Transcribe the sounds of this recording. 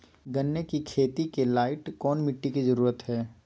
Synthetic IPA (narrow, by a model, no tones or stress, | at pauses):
ɡɐnːekikʰeːt̪ikelaːɪʈkɔːnmɪʈːikizɐɾuːɾət̪ɦɛː